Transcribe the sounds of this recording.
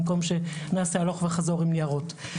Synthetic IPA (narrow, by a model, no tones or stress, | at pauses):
mko̞mʃe̞naːsealo̞χveχazo̞ʁimnijaʁo̞t